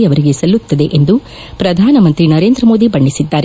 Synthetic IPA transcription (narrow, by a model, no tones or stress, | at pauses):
ɐʋɐɾiɡe̞sɐlːut̪ːɐd̪e̞ʔend̪u | pɾɐd̪ʱaːnɐmɐnt̪ɾinɐɾe̞ːnd̪ɾɐmo̞ːd̪ibɐɳːisid̪ːaːɾe